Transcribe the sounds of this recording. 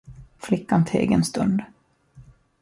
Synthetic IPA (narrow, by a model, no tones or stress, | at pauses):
flɪkːant̪ʰḛːɡənst̪ɵnd̪